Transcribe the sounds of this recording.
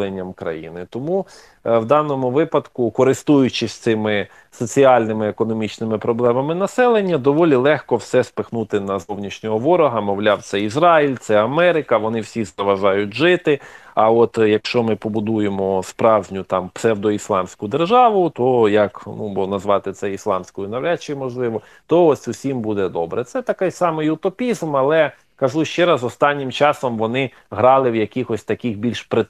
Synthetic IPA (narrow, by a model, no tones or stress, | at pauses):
enʲːɐmkɾɐ̰jḭnɪt̪ɔmu | wd̪ɑnɔmʊʋɪpɐd̪kʊkɔɾɪst̪ujʊt͡ʃɪsʲt̪sɪmɪ | sɔt͡sʲiɑlʲnɪmɪekɔnɔmʲit͡ʃnɪmɪpɾɔblˠɛmɐmɪnɐsɛlˠenʲːɐd̪ɔʋɔlʲilˠɛxkɔwsɛspɪxnut̪ɪnɐzɔwnʲiʃnʲɔɦɔʋɔɾɔɦɐmɔwlʲawt̪sɛizɾɑilʲt̪sɛɐmɛɾɪkɐʋɔnɪwsʲizɐʋɐʒɑjʊtʲʒɪt̪ɪɐɔt̪jɐkʃt͡ʃɔmɪpɔbʊd̪ujemɔspɾɑwʒʲnʲʊt̪ɑmpsɛwd̪ɔislˠɑmsʲkʊd̪erʒɑʋʊt̪ɔjɐknubɔnɐzʋɑt̪ɪt̪sɛislˠɑmsʲkɔjʊnɐwɾʲat͡ʃɪjmɔʒlˠɪʋɔ | t̪ɔɔsʲʊsʲimbud̪ɛd̪ɔbɾɛt̪sɛt̪ɐkajsɑmɪjʊt̪ɔpʲizmɐlˠɛ | kɐʒuʃt͡ʃɛɾɐzɔst̪ɑnʲːɪmt͡ʃɑsɔmʋɔnɪ | ɦɾɑlˠɪwjɐkʲixɔsʲt̪ɐkʲixbʲilʲʃpɾe